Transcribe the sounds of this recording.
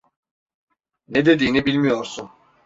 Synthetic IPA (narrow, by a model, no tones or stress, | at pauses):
nɛd̪ed̪iːnibilʲmijoɾsun